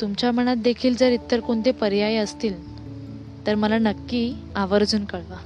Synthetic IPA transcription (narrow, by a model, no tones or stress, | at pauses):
t̪umt͡ɕjam̤əɽ̃at̪̚d̪ekʰiːld͡zəɾit̪ːəɾkoɳt̪epəɾjajeəst̪iːl | t̪əɾməlanəkːiː | aʋəɾd͡zuːnkəɭʋa